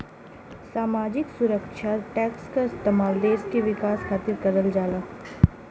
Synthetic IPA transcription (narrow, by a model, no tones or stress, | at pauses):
saːmaːd͡ʒɪksʊɾəkʃaʈɛːkskaɪst̪emaːld̪eːʃkeʋɪkaːskʰaːt̪ɪɾkɐɾəld͡ʒaːlaː